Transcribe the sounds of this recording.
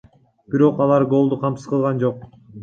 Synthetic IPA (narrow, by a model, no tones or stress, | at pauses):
b̥iɾo̞qɑlˠɑɾɡo̞lˠd̪uqʰɑmsɯ̥sqɯlˠʁɑnd͡ʒo̞q̚